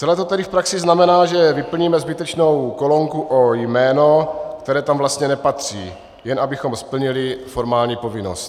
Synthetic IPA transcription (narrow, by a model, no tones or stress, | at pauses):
t͡sɛlɛːt̪ot̪ɛdɪfpɾaksɪznamɛnaːʒɛvɪpl̩ɲiːmɛzbɪt̪ɛt͡ʃno̞wkolo̞ŋkuʔojmɛːno̞kt̪ɛɾɛːt̪amvlast̪ɲɛnɛpat̪r̝̥iː | jɛnʔabɪxo̞mspl̩ɲɪlɪfo̞ɾmaːlɲiːpo̞vɪno̰st̪